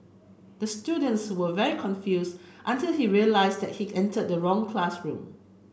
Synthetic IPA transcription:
d̥əstjudə̃ntswəvɛɹikʰɔ̃nfjusʔə̃ntɪlˠhiɹiəlaɪsdɛt̚hiɛ̃ntəd̚əɹɔ̃ŋkʰlasɹṵ̃m

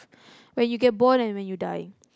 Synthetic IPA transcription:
wɛ̃njuɡɛt̚bɔ̃nɛ̃nwɛ̃njɔdajɪ̰̃ŋ

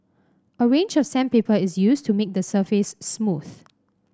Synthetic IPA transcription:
ʔəɹẽnd͡ʒɔfsɛ̃npepəɪsjustʰumek̚dəsəfɪsːmuθ

